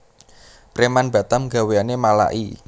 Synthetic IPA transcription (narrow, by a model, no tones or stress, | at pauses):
pɾemanb̥ä̤t̪amɡa̤weanemala̰ʔḭ